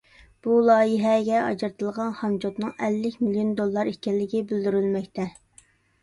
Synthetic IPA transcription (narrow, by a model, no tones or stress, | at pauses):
b̥ulˠɑːjiɦɛɡʲɛɑ̰d͡ʒɨɾt̪ʰɨlˠʁɑnχɑnd͡ʒot̪nɨŋɛlːɪkʲmilijond̪olˠːɑɾikʲɛlːɪɡʲibyld̪yɾylmɛkʲt̪ʰɛ